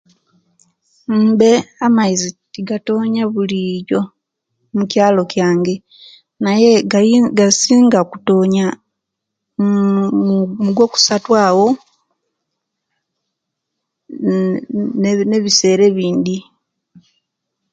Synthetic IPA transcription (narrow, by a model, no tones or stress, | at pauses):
m̩ːbe̞amaizitiɡato̞ːɲaβulijo̞ | mucjaːlo̞cjaːŋɡe̞ | najeɡasiːŋɡaku̥toɲa | muɡwo̞ːku̥satwaːwo̞ | neβise̞ːɾe̞βiːnd̪i